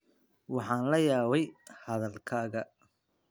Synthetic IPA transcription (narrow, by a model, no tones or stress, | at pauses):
wɑħɑːnlɐjaːβɛjhɐðɐlkʰaːɣɐ